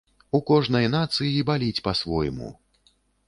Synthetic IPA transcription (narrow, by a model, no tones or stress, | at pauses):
ukɔʐnɐjnat̪sɨjibalʲit͡sʲpɐsvɔ̰jmṵ